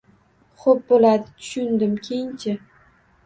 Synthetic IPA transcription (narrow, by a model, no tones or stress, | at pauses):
χop̚bolad̪ɪt̪ʰʊ̥ʃʊnd̪ɪmkʲʰejɪnt͡ʃʰɪ